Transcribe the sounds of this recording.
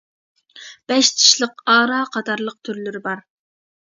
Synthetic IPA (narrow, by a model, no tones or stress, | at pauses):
b̥ɛʃt̪ʰi̥ʃlˠəqɑːɾɑːqʰɑt̪ʰɑɾlˠəq̚t̪ʰyɾlyɾɪbɑɾ